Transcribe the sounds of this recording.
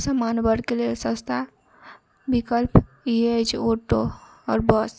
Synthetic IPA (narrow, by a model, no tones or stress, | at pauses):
səmanbəɾkelelsə̃st̪ʰa | bikəlp | ied͡ʒʰoʈo | ɔ̰ːɾbəs